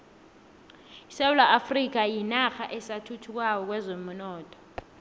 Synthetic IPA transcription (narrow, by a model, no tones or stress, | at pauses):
isewulaʔafrik̬ʼajinaxaʔɛsatʰutʰuk̬ʼwaw̬ɔk̬wɛzomunɔːtʼɔ̥